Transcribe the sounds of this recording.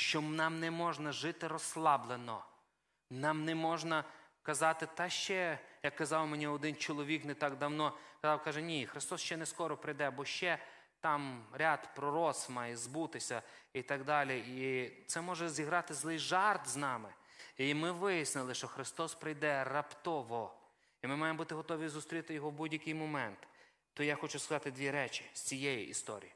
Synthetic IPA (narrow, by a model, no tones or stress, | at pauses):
ʃt͡ʃɔnɑmnɛmɔʒnɐʒɪt̪ɪɾɔslˠɑblˠenɔ̰ | nɑmnɛmɔʒnɐ | kɐzɑt̪ɪt̪ɑʃt͡ʃɛjɐkːɐzɑwmenʲiɔd̪ɪnt͡ʃɔlˠɔʋʲiknɛt̪ɑɡd̪ɐwnɔkɐzɑwkɑʒɛnʲixɾɪst̪ɔsʃt͡ʃɛnɛskɔɾɔpɾɪjd̪ɛbɔʃt͡ʃɛ | t̪ɑmɾʲat̪pɾɔɾɔsmɑjɛzbut̪ɪsʲɐit̪ɐɡd̪ɑlʲiit̪sɛmɔʒɛzʲiɦɾɑt̪ɪzlˠɪjʒɑrt̪znɑmɪ | imɪʋɪjisnɪlˠɪʃt͡ʃɔxɾɪst̪ɔspɾɪjd̪ɛrɐpt̪ɔʋɔ | imɪmɑjembut̪ɪɦɔt̪ɔʋʲizʊst̪ɾʲit̪ɪjɔɦɔwbudʲjɐkɪjmɔmɛnt̪ː | ɔjaxɔt͡ʃʊskɐzɑt̪ɪd̪ʲʋʲiɾɛt͡ʃɪ̥sʲt͡sʲijɛjiʔist̪ɔ̰ɾʲḭji